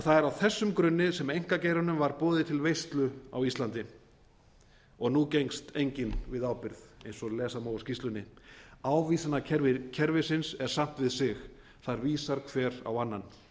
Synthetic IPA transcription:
θaðɛɾawθɛsːʏmkɾʏnːɪsɛmejŋ̥kaceːjɾanʏmvaɾpɔːðɪt̪ʰɪlvejst̪lʏa̰wist̪lant̪ɪ | ɔɣnucejŋst̪ejɲcɪnvɪðawpɪɾðejnsɔlɛːsamoːwscist̪lʏnːɪaːwviːsanaɛɾɪcʰɛɾvɪsɪnsɛɾ̥sam̥t̪vɪðsɪx | θaɾviːsaɾkʰvɛːɾa̰wanːan

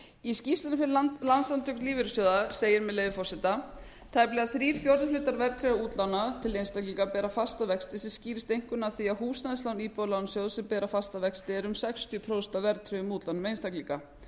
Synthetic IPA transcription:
iscist̪ʏnʏfɪɾlanslant̪ʰːœknliːvɪɾʏsɔwðaseːjɪɾmɛðleːjvɪfɔsɛt̪a | t̪ʰaːjplɛɣaθɾiːɾ̥fjoɾðlʏːt̪aɾvɛɾt̪ʰɾɪɣauːt̪lawnat̪ʰɪlejnst̪aklikapɛːɾafast̪avɛkst̪ɪsɛmsciːɾɪst̪ejŋ̥kʏnaθiaðhuːsnaðɪslawniːpolawnsjowðsɛmpɛːɾafast̪avɛkst̪ɪɛɾʏmsɛkst̪ʰjʏpʰɾoːst̪avɛɾt̪ʰɾɪʏmuːt̪lanmejnst̪aklika

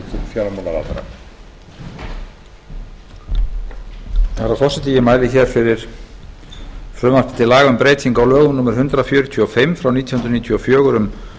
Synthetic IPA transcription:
ɪfjaɾamɔlaɾa̰ːt̪aɾa̰ | θaɾafɔr̥sɛt̪ɪjɪmaːjlɪçɛɾ̥fɪɾɪɾ̥ | fɾʏmafpɪ̥t̪ɪlaːɣʏmpɾeːjt̪ʰiŋkawlœːɣʏmnuːmɪɾ̥ɦʏnt̪ɾafjœːɾʏt̪ʰʏɔfɪmfɾawniːt̪ʰjhʏnɾniːt̪ʰjyɔfjœːɣʏɾʏm

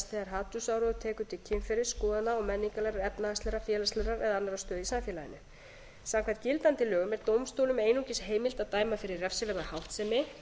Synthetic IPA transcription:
st̪ɛɣaɾɦaːt̪usawɾɔðʏt̪ʰɛːkʏt̪ʰɪlcʰɪnfɪɾɪɾ̥skɔːðanaɔmɛnːiŋkalɛɾaɾɛpnaast̪lɛɾafjɛːlast̪lɛɾaɾɛðaanːaɾast̪œːðisamfjɛlajɪ̰nʏ | samkʰvat̪̚cɪlt̪ant̪ɪlœːɣʏmɛɾt̪owmst̪owlʏmeːjnucɪsɦeːjmɪl̥t̪aðt̪aːjmafɪɾɪrːɛfsɪvɛɾmahawht̪sɛmɪ

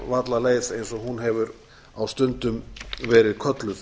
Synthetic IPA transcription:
vat̪laleːjsejnsɔɦunɦɛvʏɾ | awst̪ʏnt̪ʏmvɛːɾɪðkʰœt̪lʏθ

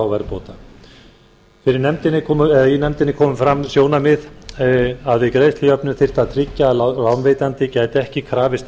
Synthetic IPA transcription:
awvɛɾpoːwt̪a | fɪɾɪɾnɛmt̪ɪnːɪkʰɔːmʏɛðajinɛmt̪ɪnːɪkʰɔːmʏmfɾamːsjoːwnamɪð | aðvɪkɾeːjst̪lɪœpnʏɾθɪr̥t̪aðt̪ʰɾɪcːallaːwnveːjt̪ant̪ɪcaːjt̪ɛhcɪkʰɾaːvɪst̪

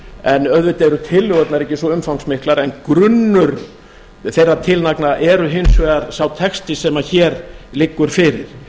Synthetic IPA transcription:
ɛnœðvɪt̪ɛɾʏt̪ʰɪlːʏɣœt̪naɾɛhcːɪsvɔʏmfawŋksmɪhklaɾɛnkɾʏnːʏɾ | θejrːat̪ʰɪlnaknaʔɛɾʏɦɪnsvɛðaɾsawt̪ʰɛkst̪ɪsɛmaçɛːɾlɪkːʏɾ̥fɪɾɪɾ̥

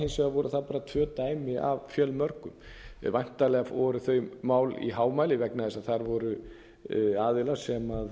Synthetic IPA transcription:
hensɛavɔɾʏθaðpaːɾat̪ʰvœːt̪aːjmɪa̰vfjœlmœɾkʏm | vajn̥t̪alɛɣaɔɾʏθœɥmaːwlḭɦaːwmaːjlɪvɛknaðɛsaðθaɾvɔɾʏ | aːðɪlḁsɛmað

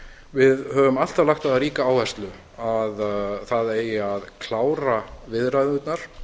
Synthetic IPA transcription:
vɪðhœvʏmal̥t̪avlaxt̪aðaɾiːkaaːwvɛst̪lʏ | aðθaðeːjaðkʰlaːwɾavɪðɾaðʏt̪naɾ̥

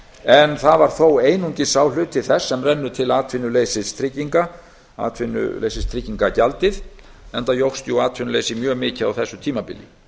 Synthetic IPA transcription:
ɛnθaðvaɾ̥θoweːjnuɲcɪsaːwlʏːt̪ʰːɪlθɛsːɛmrɛnːʏt̪ʰɪlaːt̪ʰvɪnːʏlejsɪst̪ʰɾɪcːiŋka | a̰ːt̪ʰfvɪnːʏ̰lḛjsɪst̪ʰɾɪcːiŋkacalt̪ɪðɛnt̪ajowxst̪juaːt̪ʰvɪnʏlejsɪmjœːɣmɪːcɪa̰wθɛsːʏt̪ʰiːmapɪ̰ljɪ̰

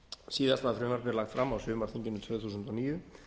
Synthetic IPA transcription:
siːðast̪aθɾʏːmaɾpɛɾlaxt̪fɾamːawsʏːmaɾ̥θiɲcɪnʏnt̪ʰvʏθuːsʏnt̪ɔniːjʏ

